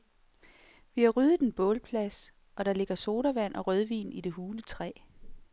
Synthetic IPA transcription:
ʋihɑ̈ʁyðˠð̩ˠenb̥ɔ̰̽ːlpʰlæs | ɒ̽ɾ̥ɑ̈le̝ɡ̥ɐso̝ːɾɐʋæn̰ʔɒ̽ʁœðˠʋḭːnide̝ɦuːlət͡sʰʁɛ̰ː

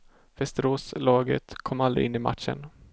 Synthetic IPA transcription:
vɛst̪əɾoːslɑːɡə̰t̪kʰɔmːald̪ɾɪ̰ʔɪnːɪma̰t̪ʂə̰n

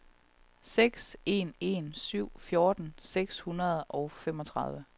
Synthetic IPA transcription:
seɡ̥se̝̰ne̝̰nsyʊ̰fjo̝ːd̥n̩seɡ̥shunɐð̞ˠɒ̽ʊfem̰ɒ̽t͡sʰʁɑð̞ˠʋə

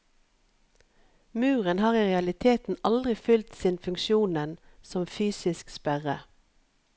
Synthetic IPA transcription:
mʉːʁənhɑːʁiːʁɛɑlɪt̪ʰeːt̪n̩ɑld̪ʁɪfʏlt̪sɪnfʉŋkʃjuːnənsɔmfyːsɪskspæʁə

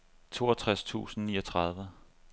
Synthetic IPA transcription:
t͡sʰo̝̰ːɐt͡sʰʁast͡sʰṵːsn̩niːɒt͡sʰʁɑ̈ð̞ˠʋə

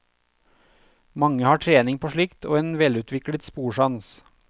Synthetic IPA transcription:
mɑŋəhɑːʈʰɾeːnɪŋpʰoːʃɭɪkt̪ʰo̰ːeːnʋɛlʉːt̪ʰʋɪklət̪spuːʃɑns

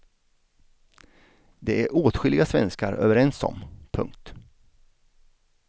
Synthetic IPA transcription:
d̪ɛæɾʔoːt̪ɧʏlːɪɡasvɛnskaɾø̰ːvəɾɛnsɔ̰mpʰɵ̰ŋk̚t̪

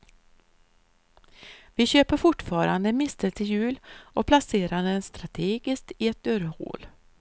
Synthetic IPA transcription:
vɪɕøːpəɾfʊʈfɑːɾand̪əmɪst̪əlt̪ʰɪjʉ̟ːlʔɔpʰlaseːɾand̪ənst̪ɾat̪ʰeːɡɪskt̪ɪɛt̪̚d̪œɾho̰ːl

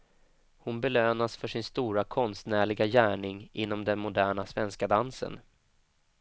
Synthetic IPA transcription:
hʊnbɛløːnasfœʂɪnst̪uːɾakʰɔnst̪næːɭɪɡajæːɳɪŋʔɪnːɔmd̪ɛnmʊd̪æːɳasvɛnskad̪ansə̰n

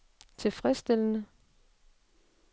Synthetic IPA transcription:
t͡sʰe̝lfʁɛsd̥elənə

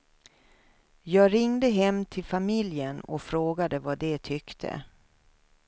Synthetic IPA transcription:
jɑːɡɾɪŋd̪əɦɛmːt̪ʰɪlfamɪljənɔ̰fɾoːɡad̪əvad̪ɛt̪ʰʏkt̪ʰə̰

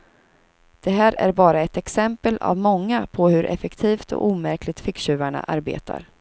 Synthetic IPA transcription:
d̪̥ɛɦæːɾæ̰ɾbɑːɾaɛt̪ɛksɛmpəla̰vmɔŋːapʰɔhɵɾʔɛ̰fɛkt̪ʰiːft̪ɔ̰ʔuːmæɾklɪt̪fɪkɕʉ̟ːvaɳa̰ʔaɾbḛːt̪ʰa̰ɾ

